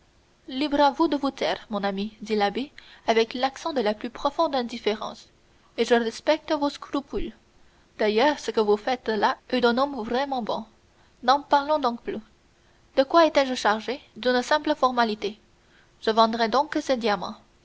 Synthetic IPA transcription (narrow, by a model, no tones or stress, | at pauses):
libʁavud̪əvut̪ɛ̰ːʁmɔ̃namid̪ilabeavɛklaksɑ̃d̪əlaplypχɔfɔ̃d̪ɛ̃d̪ifeʁɑ̰̃s | eʒəʁɛspɛk̚t̪əvoskɾypyl | d̪̥ajœːʁsəkəvufɛt̪laɛd̪ɛ̃nɔmvʁɛmɑ̃bɔ̃ | nɑ̃paʁlɔ̃d̪ɔ̃kply | d̪əkwaet̪ɛʒəʃaʁʒed̪ynsɛ̃pləfɔʁmalit̪e | ʒ̥əvɑ̃d̪ʁɛd̪ɔ̃ksɛd̪jamɑ̰̃